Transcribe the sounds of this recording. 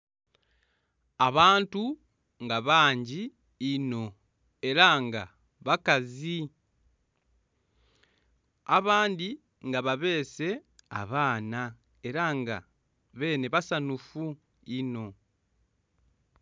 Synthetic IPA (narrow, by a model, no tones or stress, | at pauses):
aβaːntu | ŋɡaβaːɲɟiː | no̞ | e̞ɾaŋɡa̰ | βakazi | aβaːndi | ŋɡaβaβe̞ːse̞a̰βaːna | e̞ɾaŋɡa̰ | βe̞ːne̞βasanufu | ino̞